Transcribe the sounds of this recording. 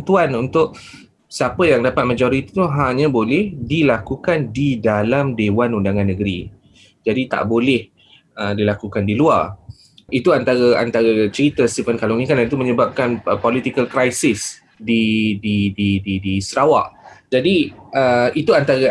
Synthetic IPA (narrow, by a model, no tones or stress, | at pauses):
t̪uanunt̪ʊʔ | səapəjaŋdapat̪̚mãd͡ʒoɾit̪i̥t̪uɦaɲãbolɛhdilakukandidalamdewanundaŋanːəɡəɾi | d͡ʒadit̪a̰ʔbolɛh | ədilakukandiluar | it̪uant̪aɾəa̰nt̪aɾət͡ʃəɾit̪əst̪ivənkalunĩkandant̪̬umə̃ɲəbap̚kanpɔlit̪ikəlkɾajsɪs | dididididisəɾawa̰ʔd͡ʒadiʔəit̪uant̪aɾa